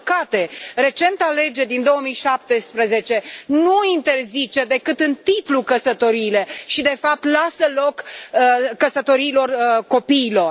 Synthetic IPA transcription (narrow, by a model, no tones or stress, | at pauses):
kat̪e̞re̞t͡ʃe̞nt̪ale̞d͡ʒe̞d̪ind̪o̞oəmijʃap̚t̪espɾəze̞t͡ʃe̞nuint̪e̞rzit͡ʃe̞d̪e̞kɨt̪ɨnt̪it̪lukəsət̪o̞ɾiːle̞ʃid̪e̞fap̚t̪lasəlo̞kəːəsət̪o̞ɾiːlo̞rko̞piːlo̞r